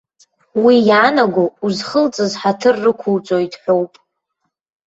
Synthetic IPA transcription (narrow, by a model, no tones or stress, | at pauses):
wijaːnaɡʷouzχəlt͡sʼɨzħatʰɨrːɨkʷʰult͡sʷʼojtʼħʷᶣowpʼ